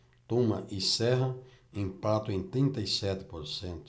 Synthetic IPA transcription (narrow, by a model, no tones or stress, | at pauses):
t̪ũmɐ̰ʔisɛɦɐĩmpat̪ʊẽŋt̪ɾĩnt̪ɐjsɛt̪ɪ̥poɾsẽnt̪ʊ̥